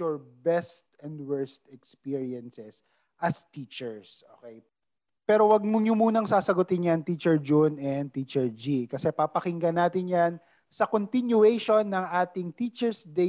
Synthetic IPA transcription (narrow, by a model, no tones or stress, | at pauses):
ɔɹbɛst̪ɛ̃nd̪wɛɹst̪ɛkspiɹiɛnsɛs | ʔɐst̪iːt͡ʃɛɹsʔo̰ːkej | pɛːɾowɐɡ̚mʊɲʊmuːnɐŋsaːsɐɡʊt̪ɪnjɐnt̪it͡ʃɛɹd͡ʒonɛnd̪̚t̪iːt͡ʃɛɹd͡ʒikɐsɛpapɐkɪŋɡɐnaːt̪ɪnjan | sɐkont̪ɪnjʊɛjʃo̞nːɐŋʔaːt̪ɪŋt̪iːt͡ʃɛɹsd̪ɛ